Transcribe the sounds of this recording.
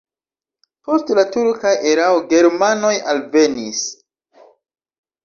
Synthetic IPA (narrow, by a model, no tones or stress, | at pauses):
po̞stlatuɾkaʔeɾaoɡe̞ɾmano̞jalve̞nis